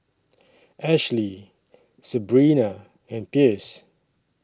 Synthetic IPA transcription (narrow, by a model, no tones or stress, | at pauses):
ʔɛʃli | səbɹĩna | ɛ̃npis